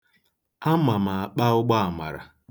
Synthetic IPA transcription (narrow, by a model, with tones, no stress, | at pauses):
a˦ma˨ma˨a˨k͡pa˦ʊ˦ɡ͡ba˦a˨ma̰˨ɾa̰˨